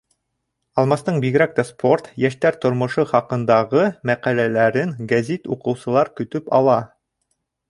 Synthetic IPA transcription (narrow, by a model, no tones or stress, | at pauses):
ɑlˠmɑst̪ɤɴbiɡɘ̆ɾæk̚t̪æspʰo̞rt̪jæʃt̪æɾt̪ŏɾmŏʃɤχɑqɤ̆nd̪ɑʁɤmæqælælæɾɘŋɡæzit̪uqɤ̆wsɤ̆lˠɑɾkɵ̆t̪ɵpɑ̰lˠɑ